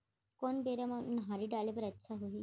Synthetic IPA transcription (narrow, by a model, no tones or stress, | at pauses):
konbeɾamanɦaɾiɖalepəɾətːɕʰaɦoɦi